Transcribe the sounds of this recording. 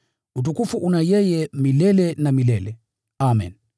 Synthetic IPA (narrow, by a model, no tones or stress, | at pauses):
ut̬ukufuʔunajɛjɛmilɛlɛnamilɛlɛ | amɛ̰n